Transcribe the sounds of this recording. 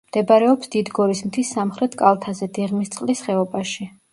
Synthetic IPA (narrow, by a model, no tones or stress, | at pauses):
md̪̥ɛbaɾɛɔpsd̪id̪ɡɔɾismt̪ʰisːamχɾɛt̪ʰkʼalˠt̪ʰazɛd̪ɛʁmist̪sʼqʼlisχɛɔbaʃi